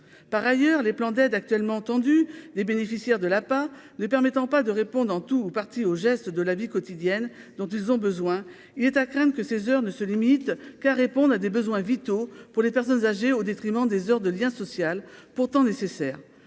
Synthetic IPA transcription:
paʁajœʁleplɑ̃d̪ɛd̪ak̚t̪ɥɛlmɑ̃t̪ɑ̃d̪yd̪ebenefisjɛʁd̪əlapanəpɛʁmɛt̪ɑ̃pad̪əʁepɔ̃d̪ʁɑ̃t̪uːpaʁt̪ioʒɛst̪d̪əlavikɔt̪id̪jɛn | d̪ɔ̃t̪̬ilzɔ̃bəzwɛ̃ | ilɛt̪akχɛ̃d̪ʁəkəsezœʁnəsəlimit̪kaʁepɔ̃d̪ad̪ebəzwɛ̃vit̪opuʁlepɛʁsɔnzaʒeod̪et̪χimɑ̃d̪ezœʁd̪əljɛ̃sɔsjalpuʁt̪ɑ̃nesesɛːʁ

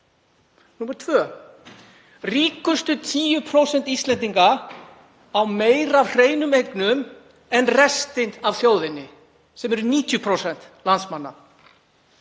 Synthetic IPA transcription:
numaɾ̥t̪ʰvœː | riːkʏst̪ʏt̪ʰiːjʏpʰɾowsɛnt̪ist̪lɛnt̪iŋka | awmeːjɾavr̥eːjnʏmejknʏm | ɛnrɛst̪ɪnt̪avθjoːwðɪnːɪ | sɛmɛɾʏniːt̪jʏpʰɾowsɛn̥t̪lant̪smanːa̰

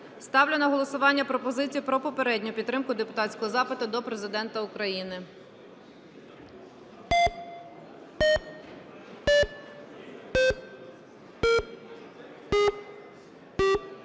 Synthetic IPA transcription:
st̪ɑwlʲʊnɐɦɔlˠɔsʊʋɑnʲːɐpɾɔpɔzɪt͡sʲijʊpɾɔpɔpeɾɛdʲnʲʊpʲid̪ːɾɪmkʊd̪epʊt̪ɑtʲsʲkɔɦɔzɑpɪt̪ʊd̪ɔpɾezɪd̪ɛnt̪ɐʊkɾɐjinɪ

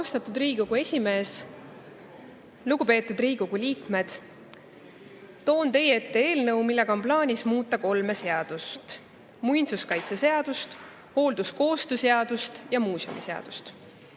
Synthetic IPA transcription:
ɑwst̪ɑt̪ːˑud̪riːɡoɡ̥ue̞sʲime̞ːs | luɡupe̞ːt̪ːˑud̪̥riːɡoɡ̥uliːkme̞d̪̥ | t̪o̞ːnt̪e̞jee̞t̪ːe̞e̞ːlnɤwmilːe̞ɡ̥ɑo̞nplɑːnʲismuːt̪ːˑɑko̞lme̞se̞ɑd̪̥ust̪ | mujnsuskɑjt̪sese̞ɑd̪̥ust̪ | ho̞ːld̪̥usko̞ːst̪use̞ɑd̪̥ust̪jɑmuːso̰mḭse̞ɑ̰d̪̥ust̪

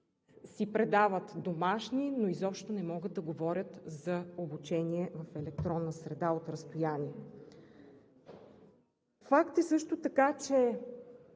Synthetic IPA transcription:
sipɾɛd̪avət̪d̪omaʃninoizɔpʃt̪onɛmɔɡəd̪̚d̪ɐɡovɔɾʲət̪zɐobut͡ʃɛniɛvɐfɛlɛkt̪ɾɔnːəsɾɛd̪aot̪ɾəst̪ojaniɛ | fakt̪ɛsɤʃt̪ot̪ɐkat͡ʃɛ

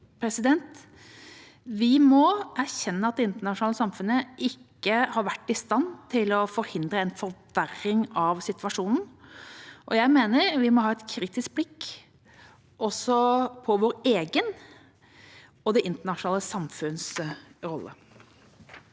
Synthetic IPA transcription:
pʰɾɛsɪd̪ɛnt̪ | ʋɪmɔæɾçɛnːəɑt̪̚d̪ɛɪnt̪əɳɑʂʊnɑːləsɑmfʉnəʔɪkːəhɑɾʋæʈːɪst̪ɑnːt̪ʰɪlɔfɔɾhɪnd̪ɾəɛnfɔɾʋæɾɪŋɑʋsɪt̪ʰʋɑʂuːnn̩ | ʔɔjæɪmeːnəɾʋɪmɔɦɑːɛt̪kʰɾiːt̪ɪsk̚blɪkː | ʔɔsɔpʰɔʋoːɾeːɡən | ɔd̪ɛʔɪnt̪əɳɑʂʊnɑːləsɑmfʉnsɾɔlːə̰

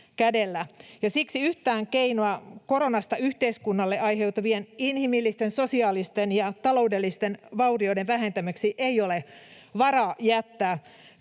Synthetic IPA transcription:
kædelːæjɑsiksiyht̪æːŋkeinoɑko̞ɾo̞nɑst̪ɑyht̪eiskunːɑlːeʔɑjɦe̞uwt̪ɑʋieninhimilːist̪ensosiɑːlist̪enjɑt̪ɑlo̞udelːist̪enʋɑurioideʋʋæɦent̪æmæksiʔeiole | ʋɑrɑːjæt̪ːæː

